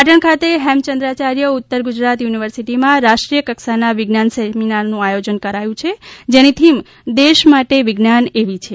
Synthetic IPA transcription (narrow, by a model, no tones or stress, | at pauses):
paʈəɳkʰat̪eɦɛmt͡ʃənd̪ɾat͡ʃaɾjəʊt̪ːəɾɡud͡ʒɾat̪juniʋəɾsiʈimãɾaʃʈɾijəkəksanaʋɪɡnansɛminaɾnũajod͡ʒənkəɾajũt͡ʃʰed͡ʒenit̪ʰim | d̪eʃmaʈeʋɪɡnaneʋit͡ʃʰe